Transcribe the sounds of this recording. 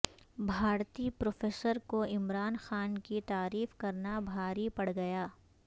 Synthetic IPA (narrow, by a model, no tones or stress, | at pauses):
bʱaːɾt̪ipɾoːfeːsəɾkoɪmɾaːnxaːnkit̪aːɾiːfkɐɾnabʱaːɾipɐɽ̤ɡɐjaː